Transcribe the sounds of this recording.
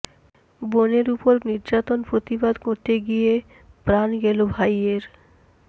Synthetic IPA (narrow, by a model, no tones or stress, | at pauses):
boneɾupoɾniɾd͡ʑat̪onpɾot̪ibad̪koɾt̪eɡie | pɾanɡɛlobʱajeɾ